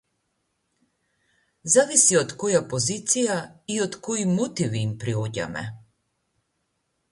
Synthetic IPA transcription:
zavisiɔt̪kɔjapɔzit̪sijaiɔt̪koimut̪iviːmpɾiɔɟa̰mɛ̰

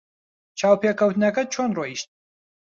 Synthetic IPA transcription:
t͡ʃʰaːwpʰeːkʰɐwt̪ɨnɐkɐt͡ʃʰonroiʃt̪̚

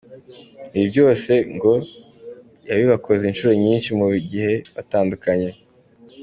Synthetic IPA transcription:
niβibɟo̞ːse̞ŋɡo̞ | jaβiβako̞zinʃuɾo̞ɲiːnʃimuɡihe̞βataːndukaɲe̞

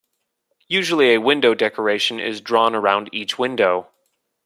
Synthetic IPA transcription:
jʉʒl̩ˠiɨwɪ̃ndoʊdɛkʰə˞eɪʃɨ̃n̩ɪ̰zdɹɔ̃nə˞ãʊ̃ndit͡ʃwɪ̃ndoʊ

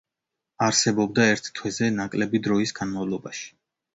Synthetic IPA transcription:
aɾsɛbɔb̚d̪aɛɾt̪ʰt̪ʰwɛzɛnakʼlɛbid̪ɾɔisɡanmavlˠɔbaʃi̥

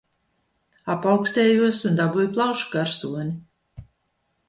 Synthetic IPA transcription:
apawksʲt̪ɛːjuɔsund̪abujplˠawʃu̥kaɾsuɔnʲi

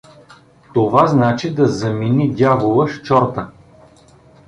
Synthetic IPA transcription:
t̪ovaznat͡ʃid̪ɐzɐminid̪ʲavolˠəʃt͡ʃɔɾt̪ə

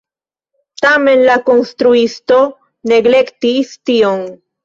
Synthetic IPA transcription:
tame̞nlako̞nst̪ɾuisto̞ | ne̞ɡle̞ktistion

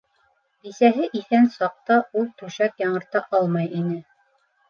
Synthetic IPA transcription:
bisæɦɘʔiθænsɑq̚t̪ɑʔulˠt̪ʉʃækjɑɴɤ̆ɾt̪ɑʔɑlˠmɑjinɘ

